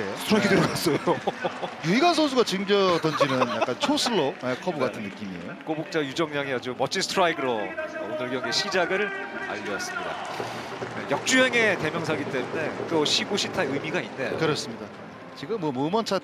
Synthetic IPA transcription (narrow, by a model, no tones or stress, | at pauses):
eostʰɾaɡidɯɾɡas͈ʰʌjojuiɡansʰosʰuɡat͡ɕɯmd͡ʑʌdʌnd͡ʑinɯnja̰kk͈ant͡ɕʰosʰɯɭːoekʰʌbuɡatʰɯnːɯk͈imiḛjokobuk̚t͡ɕ͈ajud͡ʑʌŋɲaŋiad͡ʑumʌt͡ɕʰinstʰɾaiɡɯɾoonɯɭɡjʌŋɡeɕʰid͡ʑaɡɯɾɯɭa̰ʎːʌs͈ɯ̥mɲida̰ | jejʌk̚t͡ɕ͈ueŋe̞te̞mjʌŋsʰaɡit͈e̞mune̞toɕʰiboɕʰitʰaɯmiɡainːe̞kɯɾʌs͈ɯmɲida | t͡ɕiɡɯmːʌmomʌnt͡ɕʰa